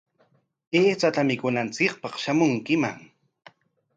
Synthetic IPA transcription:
eːt͡sat̪amɪkʊnant͡sɪk̚pɑχʃamʊŋkɪma̰ŋ

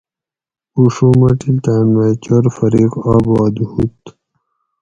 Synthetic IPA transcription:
uʂuːmɐʈilt̪anmat͡ɕoɾfɐɾiqaːbɑːd̪hut̪

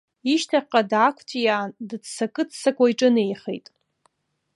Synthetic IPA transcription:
iʃtʰaqʼadakʷʰtʰʼjadɨdsakʼɨdsakʷʼaiʈ͡ʂʼɨnejχḛjtʼ

